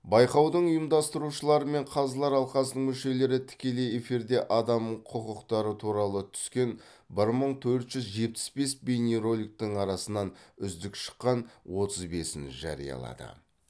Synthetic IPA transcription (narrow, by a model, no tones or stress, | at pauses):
bɑjqɑwd̪əɴʊjəmd̪ɑst̪əɾuʃəlˠɑɾəme̞ɴqʰɑzlˠɑɾɑlˠqɑsənəɴmʏʃe̞le̞ɾɪt̪ʰɪ̥kʲe̞le̞je̞fiɾd̪e̞ʔɑd̪ɑmqʰʊqəqt̪ɑɾət̪ʰuɾɑlˠət̪ʰʏ̥skʲe̞n | bɪɾməɴt̪ʰɵɾt̪ʒ̥ʏzʒe̞p̪ɪ̥sbe̞sbenʲeɾo̞lʲik̚t̪əɴɑɾɑsənɑnʏzd̪ɪkʃə̥qːɑnwo̞t̪əzbe̞sɪ̰nʒɑ̰ɾḭjɑ̰lˠɑ̰d̪ə̰